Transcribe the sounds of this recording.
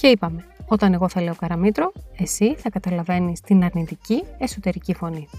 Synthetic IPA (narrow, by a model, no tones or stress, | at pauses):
ce̞ipɐme̞o̞t̪ɐne̞ɣo̞θɐle̞okɐɾɐmit̪ɾo̞e̞siθɐkɐt̪ɐlɐve̞nist̪inɐɾnit̪icie̞so̞t̪e̞ɾicifo̞ni